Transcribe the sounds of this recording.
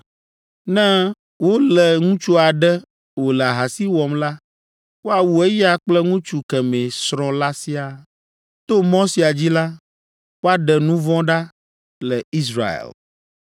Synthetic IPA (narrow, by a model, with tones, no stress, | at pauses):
nɛ̃˦ | wo˦lɛ˨ŋũ˦t͡ʃu˦a˨ɖɛ˦ | wo˨lɛ˨a˨ɦa˨si˦wɔ˨mla˦ | wo˦a˨wu˨e˦ji˦a˦k͡plɛ˦ŋũ˦t͡ʃu˨kɛ˨mɛ̃˨sɾɔ̃˨la˦si˦a˨ | t̪o˦mɔ̃˦si˨a˨d͡ʑi˦la˦ | wo˦a˨ɖɛ˨nũ˦vɔ̃˦ɖa˦ | lɛ˨i˦sɾa̰˨ḛ˨l